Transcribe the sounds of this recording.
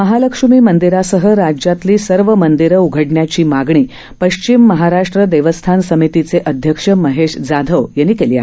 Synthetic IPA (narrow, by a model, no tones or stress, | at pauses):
məɦaləkʂumiːmənd̪iɾasəɦəɾad͡ʑjat̪liːsəɾʋəmənd̪iɾəuɡʱəɽɳjat͡ɕiːmaɡɳ̃iː | pəɕt͡ɕimːəɦaɾaʂʈɾəd̪eʋəst̪ʰansəmit̪it͡seʔəd̪ʱjəkʂəməɦeʂd͡zad̪ʱəʋjenːiːkelia̰